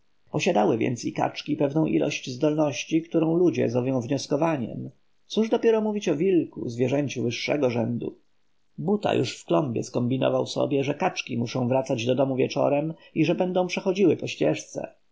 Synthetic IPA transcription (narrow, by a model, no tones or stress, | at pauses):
pɔɕad̪awɘvʲjɛ̰nt̪sika̰t͡ʂkʲipɛvnɔ̃w̃ʔḭlʔɔ̰ɕt͡ɕzd̪ɔlnɔɕt͡ɕikt̪uɾɔ̃w̃lud͡ʑɛ̰zɾɔvjɔ̃w̃vɲɔskɔvaɲɛ̰m | t̪suʐd̪ɔpʲjɛɾɔmuvʲit͡ɕɔvʲilkṵzvʲjɛʐɛɲt͡ɕuvɘʂːɛ̰ɡɔʐɛnd̪ṵ | but̪a̰juʂfklɔmbʲjɛ̰skɔmbʲinɔ̰vawsɔ̰bʲjɛʐɛkat͡ʂkʲimuʂɔ̃w̃vɾat̪sad͡ʑd̪ɔd̪ɔmuvʲjɛt͡ʂɔ̰ɾɛmiʐɛbɛnd̪ɔ̃w̃pʂɛxɔd͡ʑiwɘpɔɕt͡ɕɛʂt̪sɛ̰